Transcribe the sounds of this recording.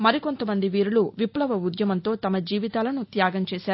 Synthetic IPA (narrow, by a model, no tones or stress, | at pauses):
mɐɾiko̞nt̪ɐmɐnd̪iʋiːɾuluʋiplɐʋɐud̪jɐmɐnt̪o̞ːt̪ɐmɐd͡ʒiːʋit̪aːlɐnut̪jaːɡɐmt͡ʃɛːsaːɾu